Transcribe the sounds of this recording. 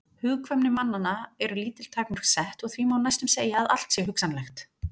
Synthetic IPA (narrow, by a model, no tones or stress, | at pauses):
hʏːɣkʰvœmnɪmanːanːaɛɾʏliːt̪ɪl̥t̪ʰaːknʏɾ̥ksɛht̪ɔɣθvimawnajst̪ʏmseːjaːða̰l̥t̪sjɛɦʏksanlɛxt̪